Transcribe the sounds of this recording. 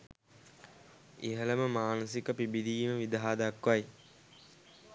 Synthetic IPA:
eɦələməmaːnəsikəpibid̪iːməʋid̪aɦad̪akʋaj

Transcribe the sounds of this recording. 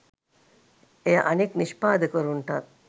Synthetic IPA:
ejɐʔɐnikniʃpaːd̪ɐkoɾuɳʈɐt

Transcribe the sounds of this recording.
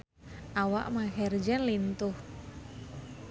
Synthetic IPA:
ʔawaʔmahɛrd͡ʒɛnlint̪ʊh

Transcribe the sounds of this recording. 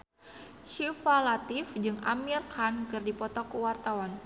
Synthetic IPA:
ʃifalat̪ifd͡ʒɨŋa̰mirkankɨrdipɔt̪ɔkəwart̪awan

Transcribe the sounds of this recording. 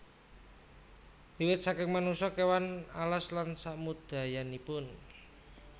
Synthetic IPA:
d̪̥iwɪt̪̚sakɪŋmanuŋsɔkewanalaslansaʔmud̪̥a̤janipʊn

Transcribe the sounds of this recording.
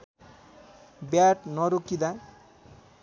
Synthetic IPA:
bjaʈnʌɾokid̪a

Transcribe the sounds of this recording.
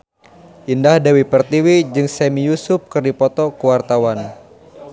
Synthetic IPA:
ʔindahdawipərt̪iwid͡ʒɨŋsɛmijusʊp̚kɨrdipɔt̪ɔkuwart̪awan

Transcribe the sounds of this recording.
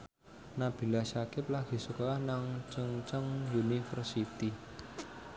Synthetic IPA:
nab̥i̤lasakɪp̚laɡ̥i̤sukɔlahnaŋt͡ʃəŋt͡ʃəŋjunifərsit̪i

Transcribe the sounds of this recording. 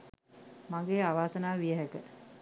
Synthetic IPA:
maŋɡeːaʋaːsənaːʋijəɦɛkə

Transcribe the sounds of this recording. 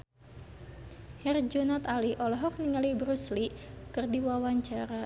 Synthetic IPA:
hɛrd͡ʒɔnat̪aliʔɔlɔɦɔk̚niŋalibɾuslikɨrdiwawaɲt͡ʃaɾa

